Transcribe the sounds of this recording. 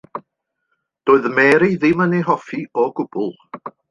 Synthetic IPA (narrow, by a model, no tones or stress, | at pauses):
d̥oːɨðmɛɾiðɪməniɦɔfiɔɡʊb̥ʊlˠ